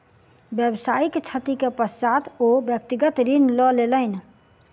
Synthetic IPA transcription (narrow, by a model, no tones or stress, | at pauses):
bjəbsaːikt͡ʃʰət̪ikepəst͡ʃat̪objək̚t̪iɡət̪ɾinlɔleləɪn